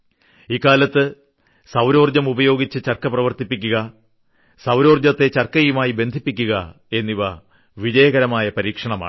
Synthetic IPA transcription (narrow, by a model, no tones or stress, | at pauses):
ikːaːlɐt̪ːɨ | sɐwɾo̞ːrd͡ʑɐmubɐjo̞ːɡit͡ɕːɨt͡ɕɐrkɐprɐʋɐrt̪ipːikʲːuɣɐ | sɐwɾo̞ːrd͡ʑɐt̪ːe̞t͡ɕɐrkɐjumaːjibe̞nd̪ʱipːikʲːuɣɐ | e̞nːiʋɐ | ʋid͡ʑɐjɐɣɐɾɐmaːjɐpɐɾiːkʂɐɳɐma̰ː